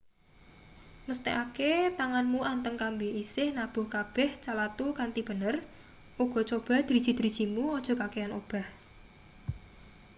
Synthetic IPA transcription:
məst̪eʔaket̪aŋanmuʔant̪əŋkambeisɪhnab̥ʊ̤hkab̥ɛht͡ʃalat̪ukant̪ib̥ə̤nər | ʔuɡ̥ɔ̤t͡ʃob̥a̤d̪̥ɾi̥ʒ̥i̤d̪̥ɾid̥i̤muɔd̥ʒ̥ɔ̤kakeano̰b̥a̤h

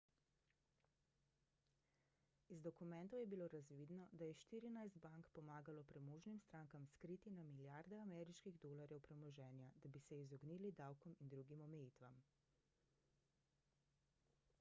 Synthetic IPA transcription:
izd̪ɔkumɛnt̪ɔwjɛbiloːɾazʋiːd̪nɔd̪ajɛʃt̪iːɾinajsd̪baŋkpɔmaːɡalɔpɾɛmoːʒnimst̪ɾaːŋkamskɾiːt̪inamiljaɾd̪ɛamɛɾiʃkiɣd̪oːlaɾjɛwpɾɛmɔʒɛːnjad̪abisɛizɔɡniːlid̪awkɔmind̪ɾuɡimɔmɛjiːt̪ʋam

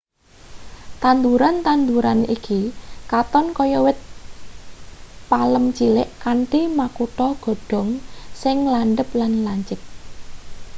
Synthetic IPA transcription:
t̪and̪uɾant̪and̪uɾanikikat̪ɔnkɔjɔwɪt̪̚ | paləmt͡ʃilɪʔkaɳʈimakuʈɔɡ̥ɔ̤ɖ̥ɔ̤ŋsɪŋlanɖəp̚lanlaɲt͡ʃɪt̪̚

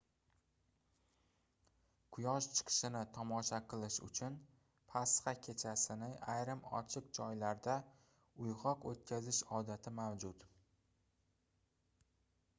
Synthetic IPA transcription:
kʰʊjɒʃt͡ʃʰɨ̥qʰɨ̥ʃɪnɪt̪ʰɒmɒʃaqʰɨlˠɪʃʊ̰t͡ʃʰʊn | pʰasqɑkʲʰe̞t͡ʃʰasɪnɪʔajɾɪmɒ̰t͡ʃʰɪq̚d͡ʒɒjlaɾd̪a | ʊjʁɒqot̪̚kʲʰazɪʃɒd̪at̪ʰɪmawd͡ʒʊt̪

